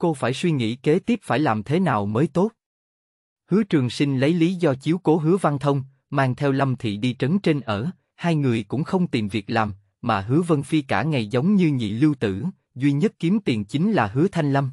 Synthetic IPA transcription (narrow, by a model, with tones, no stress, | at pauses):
ko˧faː˧˩jswi˧ŋḭ˧˥ke˨˦t̪i˦˥p̚faː˧˩jlaː˨˩mt̪ʰe˨˦naː˨˩wməː˨˦jt̪o˦˥t̚ | hɨ˨˦ət͡ɕɨ˨˩əŋsï˧ŋ̟lə˨˦jli˨˦zɔ˧t͡ɕi˨˦əwko˨˦ɦɨ˨˦əva˧nt̪ʰə˧wŋ͡m | maː˧ŋt̪ʰɛ˧wlə˧mt̪ʰḭ˨ɗi˧t͡ɕə˨˦nt͡ɕe˧nʔəː˧˩ | haː˧jŋɨ˨˩əjkʊ̰˧˥ŋ͡mxə˧wŋ͡mt̪i˨˩mvi˨˩ək̚laː˨˩m | maː˨˩ɦɨ˨˦əvə˧nfi˧kaː˧˩ŋa˨˩jzə˨˦wŋ͡mɲɨ˧ɲḭ˧˨lɨ˧wt̪ɨ̰˧˩ | zwi˧ɲə˦˥t̚ki˨˦əmt̪i˨˩əŋt͡ɕi˨˦ŋ̟laː˨˩ɦɨ˨˦ət̪ʰa˧jŋ̟lə˧m